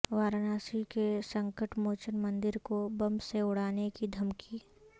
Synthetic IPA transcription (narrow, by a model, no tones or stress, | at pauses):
ʋaːɾnaːsikesɐ̃ŋkəʈmoːt͡ʃənmɐ̃nd̪ɪɾkobɐmseʊɽaːnekid̪ʱɐmkiː